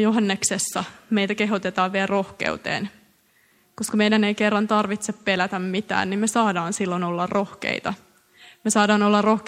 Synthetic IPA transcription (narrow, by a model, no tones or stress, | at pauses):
joɦɑnːeksesːɑmejt̪ækeɦot̪et̪ɑːʋʋiælro̞hkḛut̪ḛːn | koskɑmejdænejkerːɑnt̪ɑrʋit̪seppelæt̪æmmit̪æ̰ːnnimmesɑːdɑːnsilːonolːɑrro̞hkḛit̪ɑ | mesɑːdɑːnolːɑrro̞hk